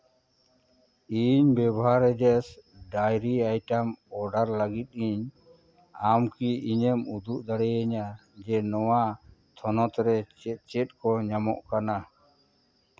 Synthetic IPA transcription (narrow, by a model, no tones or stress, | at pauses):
iɲbɛbɦaɾɛd͡ʒɛsɖajɾiajʈamɔɖaɾlaɡit̪̚ˀiɲ | amkiiɲɛmud̪uʔd̪aɽɛjəɲad͡ʒɛnɔwa | t̪ʰɔnɔt̪ɾɛt͡ʃɛt̪̚t͡ʃɛt̪̚kɔɲamɔ̰ʔkana